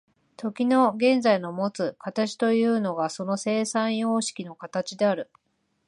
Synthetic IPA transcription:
t̪ʰo̞kʲino̞ɡẽ̞nd͡zaino̞mo̞t͡sɨkat̪at͡ɕi̥t̪o̞jɯ̟ːno̞ɡaso̞no̞se̞ːsãɰ̃joːɕi̥kʲino̞kat̪at͡ɕid̪e̞aɾɯ̟

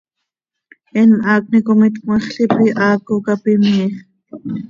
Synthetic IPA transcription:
ɛnmʔɑːk̚ʷnikomit̪kmɑχɬipiʔɑːkokapimiːχ

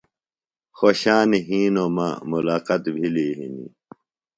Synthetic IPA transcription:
xoɕaːniɦiːnoːmã̰ːmulaːqɐt̪bʱiliːɦḭnḭ

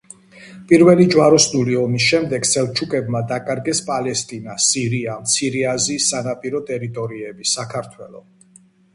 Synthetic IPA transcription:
pʼiɾvɛlid͡ʒwaɾɔsnuliɔmisʃɛmd̪ɛɡsɛlˠt͡ʃʰukʼɛbmad̪akʼaɾɡɛspʼalɛst̪ʼinasiɾiamt̪sʰiɾiazisːanapʼiɾɔt̪ʼɛɾit̪ʼɔɾiɛbisakʰaɾt̪ʰwɛlˠɔ̰

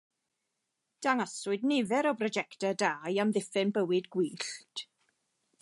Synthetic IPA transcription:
d̥aŋasʊɨdnɪvɛɾɔbrɔd͡ʒɛktədaːjamðɪfɨnbəwɪdɡwiːɬtʰ

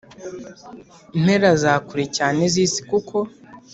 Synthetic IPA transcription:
n̥e̞ɾazaːkuɾecaːneziːsi̥kukʰo̞

